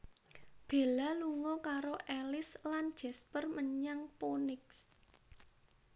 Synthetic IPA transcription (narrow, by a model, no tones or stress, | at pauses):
b̥e̤laluŋɔkaɾoʔɛlɪsland̥ʒ̥ɛ̤spərməɲaŋponɪks